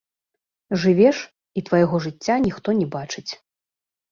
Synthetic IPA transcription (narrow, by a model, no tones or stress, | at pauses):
ʐɨvʲɛʂ | it̪vajɛɣɔʐɨt͡sʲːanʲixt̪ɔnʲɛbat͡ʂɨt͡sʲ